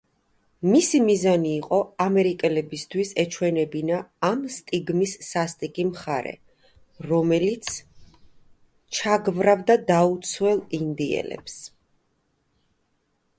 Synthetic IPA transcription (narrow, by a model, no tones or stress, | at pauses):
misimizaniːqʼɔamɛɾikʼɛlɛbist̪ʰwisɛt͡ʃʰwɛnɛbinaːmst̪ʼiɡmisːast̪ʼikʼimχaɾɛ̰ | ɾɔmɛlit̪sʰ | t͡ʃʰaɡvɾavd̪ad̪aut̪sʰwɛlˠind̪iɛ̰lɛ̰ps